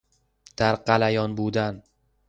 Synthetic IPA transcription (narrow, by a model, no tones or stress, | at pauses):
d̪̥aɾqɑlajɒnbud̪an